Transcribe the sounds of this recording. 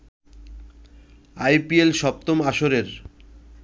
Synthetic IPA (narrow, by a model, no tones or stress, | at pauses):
ajpielʃɔp̚t̪omaʃoɾeɾ